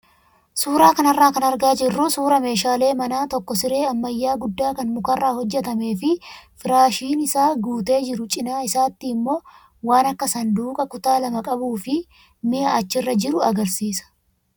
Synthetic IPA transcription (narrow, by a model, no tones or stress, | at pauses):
suːɾaːkɐnɐrːaːkɐnɐɾɡaːd͡ʒɪrːʊsuːɾɐme̞ːʃaːle̞ːmɐnaːt̪ɔkːɔsɪɾe̞ːɐmːɐjːaːɡʊd̪ːaːkɐnmʊkɐrːaːhɔd͡ʒːɛt̪ɐme̞ːfɪfɪɾaːʃiːnɪsaːɡuːt̪e̞ːd͡ʒɪɾʊt͡ʃʼɪnaːɪsaːt̪ːiɪmːo̞ː | waːnɐkːɐsɐnd̪uːkʼɐkʊt̪aːlɐmɐkʼɐbuːfɪ | mɪʔɐːt͡ʃːɪrːɐd͡ʒɪɾʊɐɡɐɾsiːsɐ̥